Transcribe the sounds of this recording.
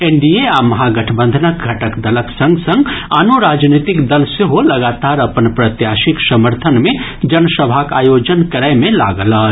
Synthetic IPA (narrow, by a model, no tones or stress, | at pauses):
eɳɖieamɐɦaɡəʈʰbə̃nd̪ʱənək̚ɡʱəʈəkd̪ələksə̃ŋɡsə̃ŋɡa̰noɾad͡ʒnit̪ikd̪əlseɦoləɡat̪aɾəpənpɾət̪jasiksəməɾt̪ʰənmẽ | d͡ʒənəsəbʱaka̰jod͡ʒənkəɾəjmẽlaɡələ